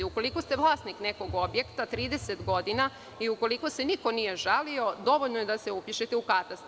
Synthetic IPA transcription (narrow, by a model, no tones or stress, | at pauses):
uko̞likost̪e̞ʋlˠaːsnikneko̞ɡo̞bje̞kt̪at̪ɾiːd̪eset̪ɡo̞d̪ina | iuko̞likoseniko̞nije̞ʒalio̞d̪o̞ʋo̞ʎnoje̞d̪aseupiʃet̪eukat̪ast̪